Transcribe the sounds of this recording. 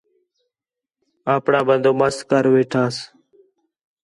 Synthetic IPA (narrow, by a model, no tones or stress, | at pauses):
aːpɳãːbənd̪oːməskəɾʋeːʈʰaːs